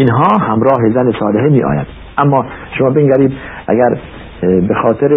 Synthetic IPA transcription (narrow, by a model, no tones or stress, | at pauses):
inɦɒːhæmɾɒːɦezænesɒːleɦemiːʔɒ̰ːjæ̰d̪ | ʔæmːɒː | ʃomɒːbeŋɡæɾiːd̪ʔæ̰ɡæɾ | bexɒːt̪ʰeɾe